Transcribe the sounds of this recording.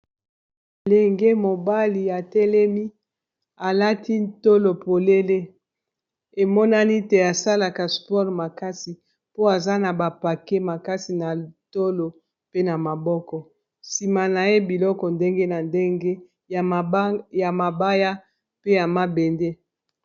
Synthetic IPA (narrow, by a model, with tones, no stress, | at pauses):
le˨ŋɡe˦mo˨ba˦li˨a˨tɛ˦lɛ˦mi˦ | a˨la˦tʰi˦nto˦lo˨po˨le˦le˦ | e˨mɔ˦na˦n˦i˦te˨a˨sa˦la˨ka˨spɔ˦ʁma˨ka˦si˨ | po˦a˨za˦na˨ba˨pa˨ke˦ma˨ka˦si˨na˨to˦lo˨ | pe˦na˨ma˨bɔ˦kɔ˨ | si˨ma˨na˨je˦bi˨lɔ˦kɔ˨nde˦ŋɡe˦na˨nde˦ŋɡe˦˨ | ja˨ma˨ba˦ja˦ | pe˦ja˨ma˨be˨nde˦